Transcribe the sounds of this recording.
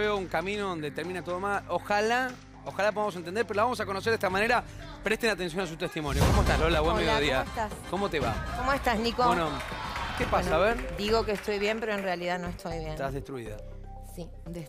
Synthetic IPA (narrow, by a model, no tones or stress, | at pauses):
eouŋkamĩnoðond̪et̪eɾmĩnat̪oðomaloxala | oxalapoðams̬ent̪end̪eɾpeɾolaβamos̬ako̞nos̬eɾðest̪amaneɾa | pɾe̞ht̪enat̪e̞ns̬jo̞nas̬ut̪e̞ht̪imo̞njokomoest̪aslolaβwenmejjoðiaet̪askomo̞t̪eβa̰komoest̪asnikoenokepasaβeɾd̪iɣo̞keːst̪o̞jβjempe̞ɾoenrealiðanoest̪ojβjent̪azðest̪ɾuiða̰ | si | e